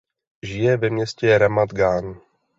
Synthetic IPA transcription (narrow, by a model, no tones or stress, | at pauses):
ʒɪjɛvɛmɲɛscɛɾamad̪ɡaːn